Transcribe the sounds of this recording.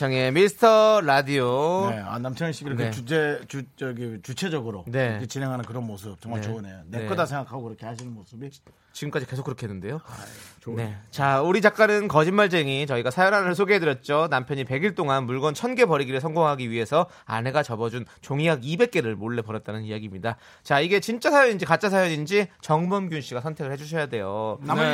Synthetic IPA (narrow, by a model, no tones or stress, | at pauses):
ʌŋemisʰɯ̥tʰʌɾadioea̰namt͡ɕʰjʌŋeɕ͈ʰikiɾeud͡ʑet͡ɕut͡ɕʌɡit͡ɕut͡ɕʰe̞d͡ʑʌɡɯɾone̞kʰet͡ɕine̞ŋɦanɯnkɯɾʌnmosʰɯp̚t͡ɕʌŋmaɭoɯnejonek͈ɯdasʰeŋɡakʰaɡokɯɾʌkʰe̞haɕʰinɯnmosʰɯbi | t͡ɕiɡɯmk͈ad͡ʑike̞sʰokɯɾʌkʰenːɯnde̞jo | ne̞t͡ɕauɾit͡ɕak͈̚anɯnkʌd͡ʑinmːaɭt͡ɕ͈eŋit͡ɕʌiɡasʰajʌnɦanɯɭsʰoɡeɦedɯɾjʌt̚t͡ɕ͈onampʰjʌɲipe̞ɡiɭt͈oŋanmuɭɡwʌnt͡ɕʰʌnɡe̞pʌɾiɡiɾɯɭsʰʌŋɡoŋɦaɡiɥiɦe̞sʰʌ | a̰ne̞ɡat͡ɕʌbʌd͡ʑunt͡ɕoŋijaɡibe̞k̚k͈e̞ɾɯɭmoɭːe̞pʌɾjʌt̚t͈anɯnijaɡimɲida | t͡ɕaiɡe̞t͡ɕint͡ɕ͈asʰajʌɲind͡ʑikat͡ɕ͈ʰas̬ʰajʌɲind͡ʑit͡ɕʌŋbʌmɡjunɕ͈ʰiɡasʰʌntʰe̞ɡɯɭhed͡ʑuɕʰʌjade̞jo